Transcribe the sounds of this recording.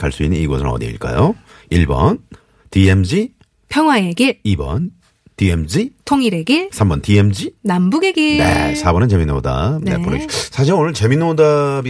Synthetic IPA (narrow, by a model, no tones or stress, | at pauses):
kaɭs͈uinːɯniɡʌsʰɯɾʌ̰dḭḭɭk͈a̰jo | iɭbʌ̰n | tie̞md͡ʑi | pʰjʌŋɦwae̞ɡeibʌ̰n | tiemd͡ʑitʰoŋiɾe̞ɡesʰambʌntiemd͡ʑinambuɡe̞ɡenḛsʰabʌnɯnt͡ɕe̞minːoda̰nepoɾʌisʰaɕ̬ʰiɾɯnonɯɭt͡ɕe̞minːodabi